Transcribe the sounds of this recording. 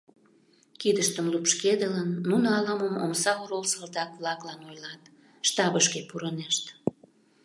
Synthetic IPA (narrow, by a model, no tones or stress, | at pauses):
kid̪əʃt̪əmlupʃked̪ələnːunoɑlɑməmo̰msɑoɾolsəld̪ɑkβlɑklɑnojlɑt̪ | ʃt̪ɑβəʃkepuɾəneʃt̪